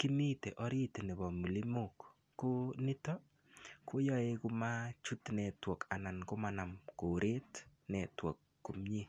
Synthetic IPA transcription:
ki˦mitḛ˨ʔɔ˦ɾi˦tnɛ˨bɔ˨mu˨li˦mukː | o˦ni˦tɔ˦ | ko˦jɔ˦e˦ku˦mat͡ʃu˦tnɛ˨twɔ˨ka˨na˨nko˦mana˨mko˨ɾʔe˦tnɛ˨twɔ̰˨kːu˨mɲi˦

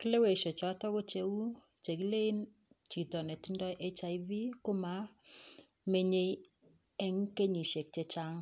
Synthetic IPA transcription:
ki˦le˦we˨ʃɔ˨t͡ʃɔ˨˦tɔ˦ko˦t͡ʃe˨wu˦ | t͡ʃe˨ki˦le˦i˦n | t͡ʃi˨tɔ˨ne˨ti˦ndɔ˦jʔe˦t͡ʃa˨ɪvi˦kʊ˦ma˨˦ | me˦ɲe˦j | ɛ˦ŋ˦ke˦ɲi˨ʃe˨k̚t͡ʃe˨t͡ʃa˦ŋ

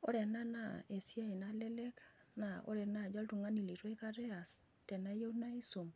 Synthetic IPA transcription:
o˦ɾe˨na˦na˦˨e˨sja˦i˨na˦le˦le˦k | na˨o̰˦ɾɛ˨na˦˨d͡ʒɔ˦ltu˨ŋa˦ni˨li˨tɔ˦i˦ka˦ɾe˦a˨s | tɛ˨na˦je˦u˦na˦i˦so˨m

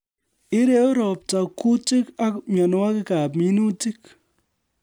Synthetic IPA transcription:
ɪ˦ɾe˦ʊ˦ɾɔ˨p̚ta˨kːu˦tɪ˦ka˦kmɔ˨n˦a˦kɪ˦ka˨p̬mi˦nu˦ti˦k

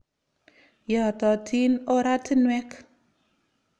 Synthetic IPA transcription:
ja˨t̪ɔ˨tʰi˦nɔ˦ɾa˦t̪i˦nwɛ˦k

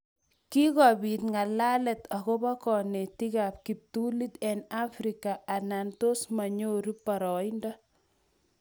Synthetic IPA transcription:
ki˦ɣɔ˨bitŋa˨la˦lɛt̪a˨ɣɔba˦kɔne˨tiɣap̚kip̚tuli˦t̪ɛna˦fɾika˨ʔa˨nantosma˨ɲo˦ɾi˦pːa˨ɾɔ˨indɔ˦

